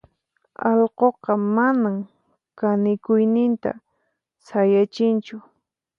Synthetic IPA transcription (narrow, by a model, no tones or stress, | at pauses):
ɑʎqoqɑmanam | kanɪkʊjnɪnt̪a̰ | sajat͡ʃɪnt͡ʃʊ